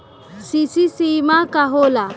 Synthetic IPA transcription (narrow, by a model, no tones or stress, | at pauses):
sisisimakaɦola